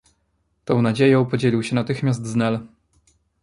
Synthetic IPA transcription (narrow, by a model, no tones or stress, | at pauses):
t̪ɔ̃w̃nad͡ʑejɔ̃w̃pɔd͡ʑelʲiwɕɛnat̪ɘxmʲjasd̪znɛl